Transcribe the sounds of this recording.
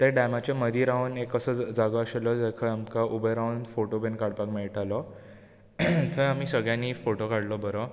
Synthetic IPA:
t̪eɖamat͡ɕaməd̪ʱiɾaunekəsəd͡zaɡaəɕalɔd͡zakʰaamkaʔubəjɾaunfoʈobenkaɽpakmɛɭʈalɔ | t̪ʰəamiːsəɡɭjãnːiːfoʈokaɽlɔbəɾɔ

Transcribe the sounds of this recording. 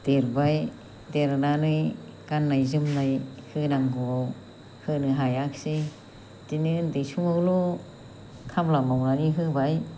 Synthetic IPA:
d̥eɾbaj | deɾnanɯkanːajzɯmnajhɯnaŋɡɔ | hɯnɯɦajaksi | tinɯndejsuŋawlɔ | kʰamlamawnaniɦɯbaj

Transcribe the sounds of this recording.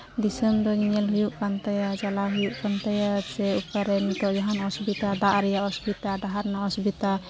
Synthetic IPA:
d̪isənd̪ɔɲiɲɛlɦujuʔkant̪ajad͡ʒalaɦujuʔkant̪ajasɛukaɾɛnit̪ɔʔd͡ʒaɦanɔsbit̪ad̪aʔɾɛjaʔɔsbit̪aɖaɦaɾnaɔsbit̪a

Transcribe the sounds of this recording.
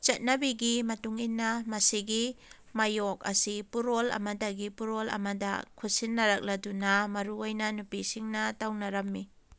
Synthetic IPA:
t͡ʃɐt̚nɐbiɡimɐtuŋinːɐmɐsiɡi | mɐjok̚ɐ̰sipuɾolɐ̰mɐdɐɡipuɾolɐ̰mɐdɐ̰kʰusinːɐɾɐk̚lɐdunɐmɐɾuojnɐnupisiŋnɐtawnɐɾɐmːi

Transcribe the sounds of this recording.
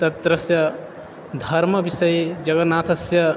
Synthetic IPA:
t̪ɐt̪ɾɐsjɐ | d̪ʱɐɾmʌbisɐjd͡ʒɐɡɐnaːt̪ʰɐsjɐ

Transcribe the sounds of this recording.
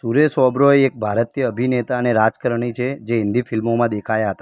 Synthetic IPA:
suɾesɔbɾoeek̚bʱaɾət̪ijəəbʱinet̪aneɾad͡ʒkəɾɳ̃it͡ʃʰed͡ʒeɦɪ̃nd̪ifɪlmomãd̪ekʰajaɦət̪a

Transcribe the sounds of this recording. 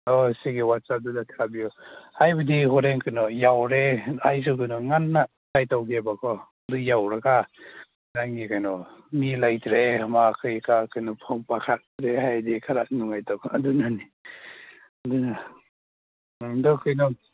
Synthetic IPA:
ɔsiɡiwat̚sap̚dudatʰabiɔhajbadihɔɾeŋkʰɯnɔjawɾeajs̬ukɯnɔŋanːa | tajtawɡebakʰɔ | dujawɾaka | ɾaŋːikajnɔmilajtɾemakʰɯjkakʰɯjnɔpʰɔŋpakʰat̚tɾeɦajdikʰaɾaʔ̚nuŋajtawkʰadunani | duna | dɔkʰɯjnɔ

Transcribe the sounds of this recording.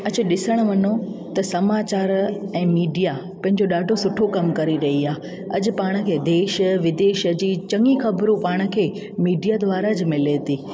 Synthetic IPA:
ɐd͡ʑ̆ɗɪsəɽ̃ʋɐnot̪ɐsɐmaːt͡ɕaːɾɛ̃ːmiːɖija | pɐ̃ɦɪ̃ɲd͡ʑoɗaːɖʱosʊʈʰokɐmkɐɾiɾɐɦiaː | ɐd͡ʑʊ̆paːɽ̃ə̆kʰeːd̪eːʃəʋɪd̪eːʃəd͡ʑiːt͡ɕɐŋixɐbɾũpaːɽ̃ə̆kʰeː | miːɖijad̪ʋaːɾad͡ʑmɪlet̪ʰiː

